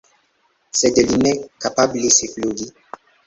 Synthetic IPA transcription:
sɛdɛlinɛkapablesefloɡi

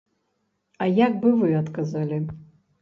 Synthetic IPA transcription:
ajak̚bɨvɨatkʼazalʲi

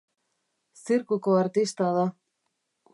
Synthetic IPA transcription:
siɾkukoaɾt̪ist̪aðo

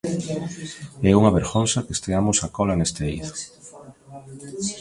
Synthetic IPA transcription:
ɛuŋɐβeɾɣonsakest̪eamʊsakɔlanest̪eḭðo̥

